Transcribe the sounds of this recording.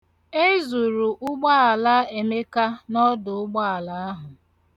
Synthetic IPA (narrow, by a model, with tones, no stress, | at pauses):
e˦zu˨ɾu˨ʔʊ˦ɡ͡ba˦a˨la˦e˨me˦ka˦nɔ˦dʊ˨ʊ˦ɡ͡ba˦a˨la˦a˦ɦʊ˨